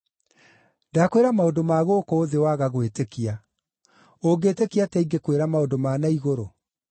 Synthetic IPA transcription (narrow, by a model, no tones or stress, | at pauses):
dakweɾamaodomaɣoːkoːðewaɣaɣwetekia | oɡeːtekiatɛiɡekweɾamaodomaːnaiɣoɾo